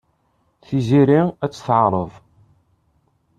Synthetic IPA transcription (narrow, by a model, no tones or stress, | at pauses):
θiziɾiæt͡sːθʕɾˤəðˤ